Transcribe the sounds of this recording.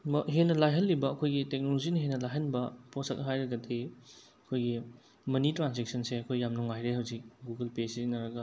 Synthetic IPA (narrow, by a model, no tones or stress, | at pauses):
mɐɦenːɐlajɦɐlːibɐːkʰojɡitek̚nolozinɐɦenːɐlajɦɐnbɐposɐk̚ɐɦajɾɐɡɐtʰi | ɐkʰojɡi | mɐnitɾansek̚sɐnseɐkʰojːamnuŋajɾehɐwzik̚ɡuɡɐlpesizinɐɾɐɡɐ